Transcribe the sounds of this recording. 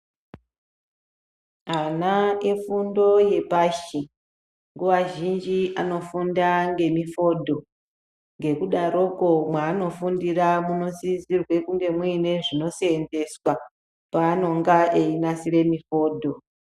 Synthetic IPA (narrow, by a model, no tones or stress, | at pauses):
anaefundo̞je̞paʃi | ŋɡuʋaʒind͡ʒiʔano̞fundaŋɡe̞mifo̞dʱo̞ | ŋɡe̞kuɗaɾo̞ko̞mwaːno̞fundiramuno̞zizirwe̞kuŋɡe̞mwineʐino̞sende̞swa | paːno̞ŋɡaʔeinasire̞mifo̞ːdʱo̞